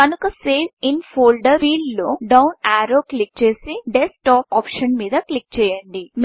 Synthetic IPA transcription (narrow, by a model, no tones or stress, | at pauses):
kɐnukɐseːʋinpʰoːlɖɐɾʋiːɭloːɖɐwnaːɾoːklik̚t͡ʃe̞ːsiɖesʈaːpɔːpʂɐnmiːd̪ɐklik̚t͡ʃɛːjɐɳɖin